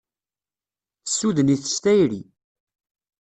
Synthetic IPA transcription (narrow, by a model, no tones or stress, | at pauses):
θəsːuðəniθə̥ʃt̪æjɾi